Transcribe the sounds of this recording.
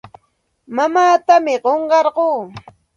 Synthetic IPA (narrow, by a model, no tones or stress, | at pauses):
mamaːt̪amɪɢoɴɢɑɾɢoː